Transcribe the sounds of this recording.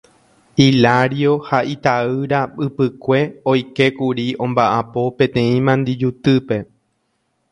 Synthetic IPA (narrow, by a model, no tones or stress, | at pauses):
ilaɾjo̞haʔit̪aɨɾaɨpɨkʷe̞ojke̞kuɾiõ̞mbaʔapo̞pẽ̞t̪ẽ̞ĩmãnd̪id͡ʒut̪ɨpe̞